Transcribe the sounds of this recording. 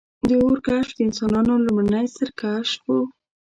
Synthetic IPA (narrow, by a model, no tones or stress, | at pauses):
d̪əoɾkaʃd̪əɪnsɑnɑnolʊmɽənajsəɾkaʃwu